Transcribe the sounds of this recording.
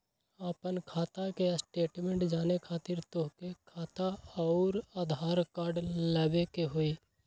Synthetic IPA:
apənkʰaːt̪akesʈeːʈmẽːɳʈd͡ʒaːnekʰaːt̪ɪɾt̪oɦkekʰaːt̪aɔːɾaːd̪ʱaːɾkaːɾɖləbekeɦoːiː

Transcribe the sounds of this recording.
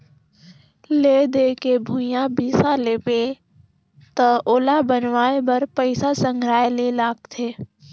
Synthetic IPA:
led̪ekebʱũjãbiːsaleːpe | t̪əoːlabənʋaːebəɾpəɪsasə̃ŋɡʱɾaːelelaːɡt̪ʰeː

